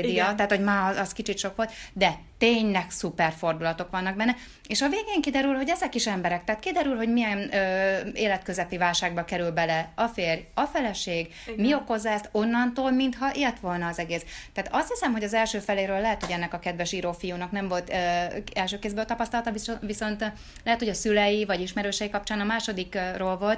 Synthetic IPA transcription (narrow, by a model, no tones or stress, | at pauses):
d̪ijɒt̪aɦːt̪ho̞ɟmaːɒskit͡ʃit̪ʃo̞kʋolt̪d̪ɛt̪eːɲnɛksupɛrfo̞rd̪ulɒt̪o̞kʋɒnːɒɡ̚bɛnːɛ | eːʃɒveːɡeːŋkid̪ɛɾylɦoɟɛzɛkiʃɛmbɛɾɛk̚t̪ɛɦaːt̪kid̪ɛɾylɦo̞ɟmijɛnøːeːlɛt̪køzɛpivaːlʃaːɡ̚bɒkɛɾylbɛlɛɒfeːrjɒfɛlɛʃeːɡ | mio̞ko̞zːɒɛst̪o̞nːɒnt̪oːlmint̪hɒʔeːlt̪ʋo̞lnɒːzɛɡeːst̪ɛaːt̪ɒst̪hisɛmɦo̞ɟɒzɛlʃøːfɛleːɾøːlːɛɦɛt̪ho̞ɟɛnːɛkɒkɛd̪vɛʃiːɾofijuːnɒknɛɱvo̞lt̪ɛlʃøːkeːzbøːlt̪ɒpɒst̪ɒlɒt̪ɒviviso̞nt̪ | lɛɦɛt̪hoɟɒsylɛjivɒɟiʃmɛɾøːʃɛjikɒp̚t͡ʃaːnɒmaːʃo̞d̪ikroːlvo̞lt̪